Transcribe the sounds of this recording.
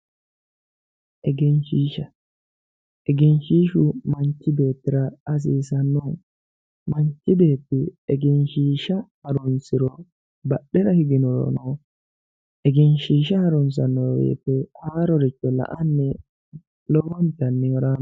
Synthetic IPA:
ʔɛɡɛnʃiːʃɐ | ɛɡɪnʃiːʃʊmɐnt͡ʃːɪbe̞ːt̪ːɪɾɐɐs̬iːsɐnːɔ | mɐnt͡ʃːɪbeːt̪ːɪɛɡɛnʃiːʃɐhɐɾʊnsɪɾɔ | bɐɗːɛɾɐhɪɡɪnɔɾ̰nɔ | ʔɛɡɛnʃiːʃɐhɐɾɔns̬ɐnːɔbḛːt̪ːɛhaːɾɔɾɪt͡ʃːɔlɐ̰ʔɐnːɛ | lɔwɔnt̪ɐnːɪwɔɾaːn

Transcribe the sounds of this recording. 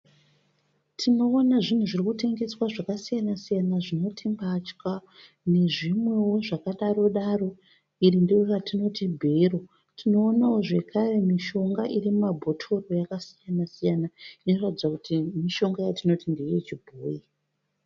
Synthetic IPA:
tʰino̞ːnaʐin̤uʐirikute̞ŋɡe̞swaʐakasijanasijanaʐino̞tʰimbat͡ʃka | ne̞ʐimwe̞wo̞ʐakaɗaɾo̞ɗaro̞ | irindejoratino̞tibʱero̞ | tʰino̞ːnawoʐe̞kʰare̞miʃo̞ŋɡaʔirimumabʱo̞tʰo̞ro̞jakasijanasijanainoratid͡zakutimiʃo̞ŋɡajatino̞tindejet͡ʃibʱoːji

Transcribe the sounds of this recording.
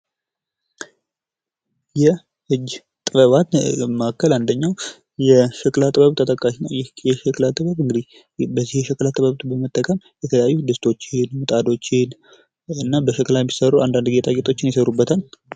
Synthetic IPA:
jɛ | hɨd͡ʒ | t̪ʼɨβəβat̪məʔakːəland̪əɲːaw | jɛʃəkʼlat̪ʼbəβt̪ʰʼət̪ʼəkʼːaʃinəjjɛʃəkʼlat̪ʼːɨβəβɨŋɡɨd̪i | bəzːihjɛʃəkʼlat̪ʼɨβəβt̪bəmət̪ʼːəkʼəm | jɛt̪ʰələjajːud̪ɨst̪ʰo̞t͡ʃːɪnmut̪ʼad̪o̞t͡ʃːɪn | ɨnːabəʃəkʼlajɛmːisəɾuand̪and̪ɡet̪ʰʼaɡet̪ʼo̞t͡ʃːɪnjɛsəɾubːət̪ʰal

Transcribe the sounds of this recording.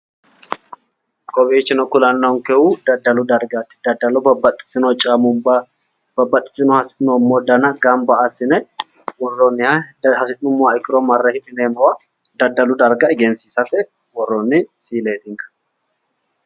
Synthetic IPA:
kʼɔbiːt͡ʃːɪnɔkʊlɐnːɔŋkɛʔud̪ɐd̪ːɐlʊd̪ɐɾɡat̪ːɪ̥d̪ɐd̪ːɐlɔbɐbɐt̪ʼːɪ̥tːɪnɔt͡ʃʼamʊb | b̥ɐbːɐt̪ʼːɪ̥t̪ːɪnɔhɐsɪnɔmːɔd̪ɐnɐɡɐmbɐasɪnɛ | wɔrːɔnːɪhɐhɐsɪt̪ʼːʊmːɔaɪkːɪɾɔmɐrːɛhɪt̪ɪneːmɐwɐ | d̪ɐd̪ːɐlʊd̪ɐɾɡɐɪɡɛnsiːsɐfɛ | wɔrːɔnːɪsiːleːt̪ɪŋkɐ̥

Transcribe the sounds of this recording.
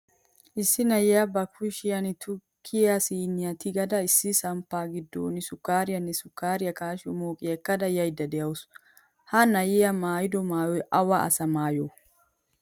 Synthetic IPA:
ʔɪsːɪnɐjɛjɐbɐkʰʊʃɪjɐnɪt̪ʊkʰːɪjasiːnɪjɐt̪ɪɡɐd̪ɐɪsːɪsɐmpːaːɡɪd̪ːo̰ːnɪsʊkːaːɾɪjɐnːɛsʊkːaːɾɪjɐkaːʃɪɔ̰moːkʼɪɛkːɐd̪ɐjɐjd̪ːɐd̪ɛjɐwʊs | hɐnɐjɪjɐmaːjɪd̪ɔmaːjɔjʔɐwɐʔɐ̰sɐmaːjɔ

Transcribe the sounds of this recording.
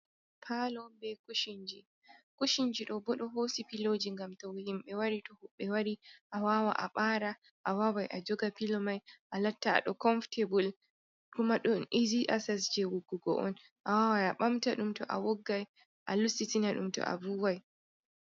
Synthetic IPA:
pʰalɔbɛkuʃiɲd͡ʒi | kuʃiɲd͡ʒiɗɔbɔɗɔɦosipilod͡ʒiŋɡamtɔwhimɓɛwaɾitɔhuɓːɛwaɾiʔawawa̰ʔa̰ɓaɾa | ʔawawajʔad͡ʒɔɡapilɔmajʔalatːa̰ːɗɔkɔnftʰebul | kumaɗunʔiziʔasasd͡ʒɛwuɡuɡɔ̰ʔɔ̰n | ʔawawajaɓamtaɗumtɔ̰ʔa̰wɔɡːaj | ʔalusitinaɗṵmtɔ̰ʔa̰buwaj

